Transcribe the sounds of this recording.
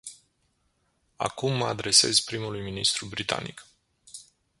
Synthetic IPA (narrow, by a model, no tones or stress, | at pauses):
a̰kumːəad̪ɾe̞se̞̰zpɾimulujminist̪ɾubɾit̪a̰nḭk